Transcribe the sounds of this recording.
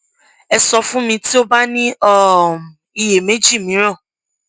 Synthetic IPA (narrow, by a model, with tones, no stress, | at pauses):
ɛ˧sɔ˧fũ˦mĩ˧ti˦o˦ba˦nĩ˦ɔ˦˨ | i˧je˨me˦d͡ʒi˦˨mĩ˨˦ɾ̃ɔ̃˦˨